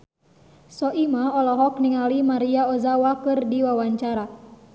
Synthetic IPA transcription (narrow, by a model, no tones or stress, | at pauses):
sɔʔimaɔlɔɦɔk̚niŋalimaɾiaɔzawakɨrdiwawaɲt͡ʃaɾa